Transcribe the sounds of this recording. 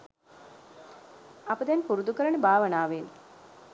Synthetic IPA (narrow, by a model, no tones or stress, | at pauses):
apəd̪ɛnpuɾud̪ukəɾəɳəbʱaːʋənaːʋen